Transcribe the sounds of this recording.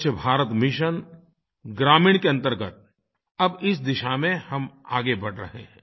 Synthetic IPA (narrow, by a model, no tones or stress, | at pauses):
t͡ʃəbʱaːɾət̪mɪʃən | ɡɾaːmĩːɽ̃keɐ̃nt̪əɾɡət̪̚ | ɐbɪsd̪ɪʃamẽhɐma̰ːɡebɐɽɾɐ̰ɦeɦɛ̰̃ː